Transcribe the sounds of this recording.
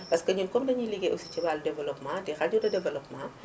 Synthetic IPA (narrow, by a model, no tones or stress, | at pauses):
bɐskɐɲunkɔmdɐɲiliɡɛʔusi̥t͡ʃɐbaldɛvɐlɔpmaːdixɐɟudɐdɛvɐlɔpmaː